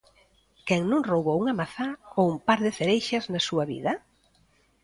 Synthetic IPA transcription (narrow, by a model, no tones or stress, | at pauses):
kɛŋnũŋrowβouŋamaθaoumpaɾðɪθeɾejʃɐznasuɐβḭðɐ